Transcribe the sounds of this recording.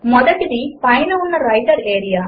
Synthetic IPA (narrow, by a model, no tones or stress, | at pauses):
mɔd̪ɐkːid̪ipɐjnɐunːɐɾɐjʈɐɾeːɾija